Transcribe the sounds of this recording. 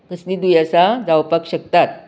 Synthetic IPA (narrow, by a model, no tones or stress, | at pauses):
k̪əsniːd̪ujasad͡zawpakɕək̚t̪at̪̚